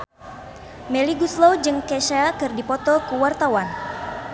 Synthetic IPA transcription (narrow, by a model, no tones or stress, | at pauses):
meliɡuslod͡ʒɨŋkeʃakɨrdipɔt̪ɔkuwart̪awan